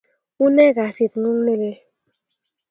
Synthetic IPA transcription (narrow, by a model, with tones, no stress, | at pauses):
u˦nɛ˦˨ɡa˨si˨tnu˦ŋ˦ne˦le˦